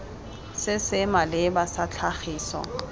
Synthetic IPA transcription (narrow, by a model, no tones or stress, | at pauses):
sɪsɪmalɪbasat͡ɬʰaχiːsɔ̰